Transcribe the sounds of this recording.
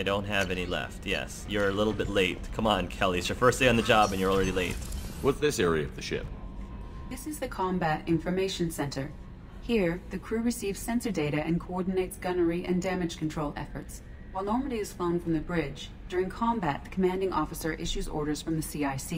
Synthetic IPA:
ɪdõʊ̃nt̚ɦɨvɛnilɛ̰ftjɛ̰sjə˞ɨlɪɾl̩ˠbɪtˡleɪt̚kʰʌ̃mə̃nkʰɛlˠisjə˞fɜ˞std̥eɪɨ̃nðɨd͡ʒɑbɨ̃njə˞l̩ˠɹɛɾileɪt̚wʌtðɪsɛɹiɨʌvðɨʃɪ̰p̚ | ðɪsɨzðɨkʰɑ̃mbæɾɪ̃ɱfə˞meɪʃɨ̃n̩sɛ̃ntʰə˞ | hiɹðɨkʰɹ̥ʉɹɨsivz̥sɛ̃nsə˞deɪɾɨʔɨ̃nkʰoɔɹdⁿn̩eɪtsɡ̥ʌnə˞iʔɨ̃ndæmɨd̥ʒ̥kʰn̩tʰɹ̥oʊlˠʔɛ̰fə˞ts | waɪlˠnɔɹməɾiɨz̥flõʊ̃nfɹʌ̃mðɨbɹɪd͡ʒ | d̥ʊɹɪ̃ŋkʰɑ̃mbæt̪̚ðɨkʰəmæ̃ndɪ̃ŋɔfɨsə˞ʔɪʃʉzɔ̰ɹɾə˞z̥fɹʌ̃mðɨsiaɪsi

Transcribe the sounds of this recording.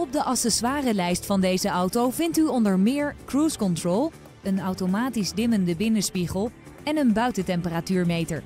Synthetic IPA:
ɔb̚dəʔɑsɛsʋaːrəlɛjstfɑndejzəʔɑwtowvɪntyɔndəɹmɪːɹkruːskɔntroːlˠ | ənɑwtomaːtizdɪməndəbɪnəspiχəlˠ | ɛnənbœɥtətɛmpəratyːɹmejtə̰ɹ

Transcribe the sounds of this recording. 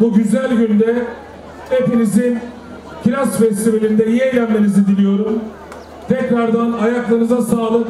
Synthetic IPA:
buɟyzælʲɟynd̪ɛ | epolʲisin | cʰlʲasfɛst̪ivelʲind̪ɛijejlʲænmenizid̪ilʲijo̞ɾum | t̪ʰɛcɾaɾd̪anajaklˠanɯzasaːlˠɯk

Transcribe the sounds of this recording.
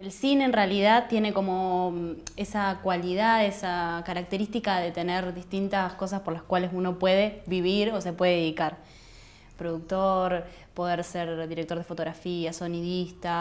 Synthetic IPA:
e̞lsine̞ːnrealiðaðt̪je̞ne̞ko̞mo̞ | esakwaliðaðesakaɾak̚t̪eɾist̪ikaðe̞t̪e̞neɾðist̪int̪asko̞s̬aspo̞ɾlaskwalesuno̞pwe̞ðeβiβiɾo̞se̞pwe̞ðeeðikaɾ | pɾoðuk̚t̪oɾ | po̞ð̞eɾseɾðiɾek̚t̪o̞ɾð̞efot̪o̞ɣɾafiaso̞niðist̪a

